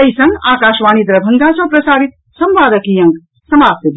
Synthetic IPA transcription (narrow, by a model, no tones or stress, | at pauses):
ɐjsɐ̃ŋɡaːkaːʃʋaːñid̪ɾɐbʱɐŋɡaːsɐpɾɐsaːɾit̪̚ | sɐmʋaːd̪ɐkiːjɐŋɡ | sɐmaːp̚t̪ɐd̪